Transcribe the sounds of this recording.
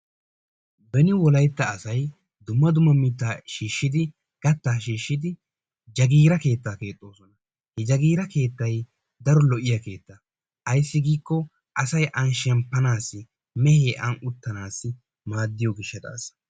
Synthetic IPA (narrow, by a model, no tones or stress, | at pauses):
bɛnɪwɔlɐjt̪ːɐːsɐj | d̪ʊmːɐd̪ʊmːɐmiːt̪ːaːʃiːʃːɪd̪ɪ | ɡ̥ɐt̪ːaːʃ̬iːʃːɪd̪ɪ | d͡ʒɐɡiːɾɐke̞ːt̪ːaːke̞ːt̪ʼːo̞ːsɔnɐ | hɛd͡ʒɐɡiːɾɐke̞ːt̪ːɐj | d̪ɐɾɔlɔʔɪjɐke̞ːt̪ːɐ | ʔɐjsːɪɡiːkːɔ | ʔɐsɐjʔɐnʃɛmpːɐnaːsːɪ | mɛheːʔɐnʊt̪ːɐnaːsːɪ | maːd̪ːɪjɔɡɪʃːɐd̪a̰ːsɐ